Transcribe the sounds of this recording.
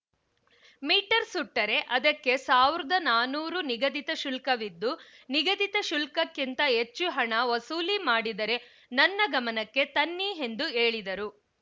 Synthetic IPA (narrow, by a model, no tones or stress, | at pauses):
miːʈɐɾsuʈːɐɾe̞ʔɐd̪ɐkːe̞saːʋiɾɐd̪ɐnaːnuːɾuniɡɐd̪it̪ɐʃulkɐʋid̪ːuniɡɐd̪it̪ɐʃulkɐkːint̪ɐɦet͡ʃːuɦɐɳɐʋɐsuːlimaːɽid̪ɐɾe̞ | nɐnːɐɡɐmɐnɐkːe̞t̪ɐnːiɦe̞nd̪ueːɭid̪ɐɾu